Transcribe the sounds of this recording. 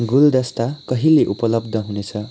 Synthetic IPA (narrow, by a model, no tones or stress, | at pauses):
ɡuld̪ʌst̪akʌɦileʔupʌlʌbd̪ʱʌɦunet͡sʰʌ